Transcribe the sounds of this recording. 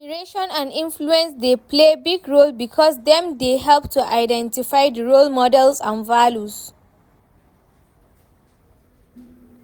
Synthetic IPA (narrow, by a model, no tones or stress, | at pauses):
ɹeʃɔ̃nãnĩnfluɛ̃nsdeplebiɡɹolbikʰɔs̬dɛ̃mdeɦɛlptʰuʔaɪdɛ̃ntifaɪdəɹolmɔdɛlsãnvaljus